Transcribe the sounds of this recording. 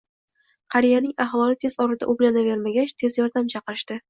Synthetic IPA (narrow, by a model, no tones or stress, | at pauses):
qʰɑɾijanɪŋahvɒlɪt̪ʰe̞z̥ɒɾɪd̪a̰ʔʊblanave̞ɾmaɡʲat͡ʃt̪ʰe̞zjɒɾd̪amt͡ʃʰɑqɨɾɪʃt̪ɪ